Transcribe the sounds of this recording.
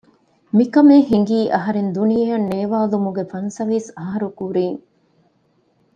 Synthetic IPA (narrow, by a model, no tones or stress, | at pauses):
mikɐmeːhiŋ̆ɡiːʔɐɦɐɾend̪unijɐjɐnːeːʋaːlumuɡefɐnsɐʋiːsɐɦɐɾukuɾiːŋ